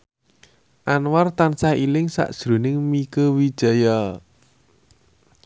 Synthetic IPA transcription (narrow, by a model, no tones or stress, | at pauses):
ʔanwart̪ansahilɪŋsa̰ʔd̥ʒ̥ɾṳnɪŋmikəwid̥ʒ̥a̤jɔ